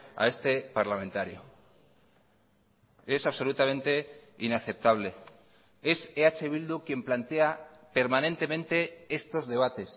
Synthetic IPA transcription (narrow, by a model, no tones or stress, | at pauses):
a̰e̞st̪e̞paɾlamẽ̞nt̪aɾjo̰ | e̞saβso̞lut̪amẽ̞nt̪e̞inaθe̞p̚t̪aβ̞le̞ | e̞seat͡ʃe̞βild̪ukje̞mplant̪e̞ape̞ɾmane̞nt̪e̞mẽnt̪e̞e̞st̪o̞zðe̞β̞at̪e̞s